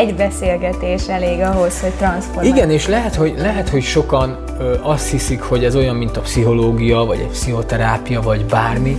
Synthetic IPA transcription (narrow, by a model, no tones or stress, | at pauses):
ɛɟbɛseːlɡɛt̪eːʃɛleːɡɒɦo̞sho̞ct̪rɒnsforiɡɛneːʃlɛɦɛt̪ho̞ɟlɛɦɛt̪ho̞cʃo̞kɒn | ɒst̪hisikho̞ɟɛzo̞jɒmmːint̪ɒpsiɦo̞loːɡijɒvɒ̰ɟɛ̰cpsiɦo̞t̪ɛɾaːpijɒvɒɟbaːrmi